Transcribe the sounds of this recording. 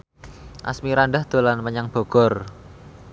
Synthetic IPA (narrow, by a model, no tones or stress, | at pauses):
ʔa̰smiɾanɖahd̪̥o̤lanməɲaŋb̥o̤ɡ̥ɔ̤r